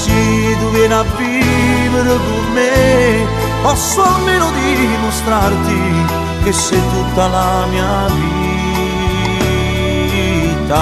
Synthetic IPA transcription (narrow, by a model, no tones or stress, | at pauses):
sid̪uvɛnavːiveɾepuɾme | ɔsoalmenod̪imost̪ɾaɾt̪i | kesːet̪ːut̪ːala | miːa | vi | t̪a